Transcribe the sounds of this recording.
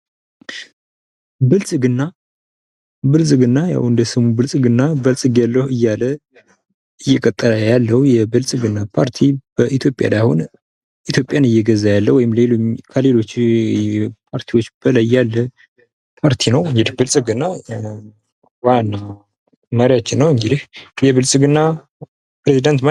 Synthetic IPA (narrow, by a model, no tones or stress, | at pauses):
bɨlsʼɨɡɨnːa | bɨlsʼɨɡɨnːaja̰wɨnd̪əsɨmubɨlsʼɨɡɨnːabəlsʼɨɡjalːəhɨjːalə | ɨjːɛkʼət̪ʼːələjalːəwjɛbɨlsʼɨɡɨnːapʰaɾt̪ʰibəʔit̪ʰjo̞pʼja̰lajhon | it̪ʰjo̞pʼjanɨjːɛɡəzːajalːəwɔjɪmle̞loɲkʰəle̞lo̞t͡ʃː | pʰaɾt̪ʰiwo̞t͡ʃːb̥əlajːalːə | pʰaɾt̪ʰinəwɨŋɡɨd̪ibɨlsʼɨɡɨnːa | wanːa | məɾjat͡ʃːɪnːəwɨŋɡɨd̪ihjɛβɨlsʼɨɡɨnːa | pɾezid̪ant̪m